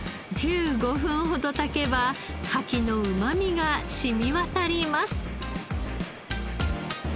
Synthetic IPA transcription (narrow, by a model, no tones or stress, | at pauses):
d͡ʑɨːɡo̞ɸɯ̟̃ɰ̃ɦo̞d̪o̞t̪ake̞bakʰakʲino̞ɯ̟mamʲiɡaɕimʲiβat̪aɾʲimasɨ̥